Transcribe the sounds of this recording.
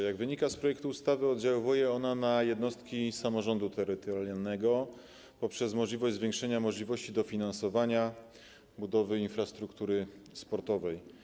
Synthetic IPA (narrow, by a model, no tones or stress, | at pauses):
jaɡvɘɲikaspɾɔjɛk̚t̪uːst̪avɘɔd̪̚d͡ʑawɔvujɛɔnanajɛd̪nɔst̪kʲisamɔʐɔnd̪ut̪ʰɛɾɘt̪ɔɾʲjalnɛɡɔ | pɔpʂɛzmɔʐlʲivɔʑzvʲjɛ̃ŋkʂɛɲamɔʐlʲivɔɕt͡ɕid̪ɔfʲinansɔvaɲa | bud̪ɔvɘinfɾast̪ɾukt̪uɾɘspɔɾt̪ɔvɛj